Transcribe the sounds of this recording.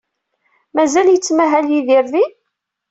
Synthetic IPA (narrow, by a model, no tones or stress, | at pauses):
mæzæljət͡sːmæɦæljiðɪɾði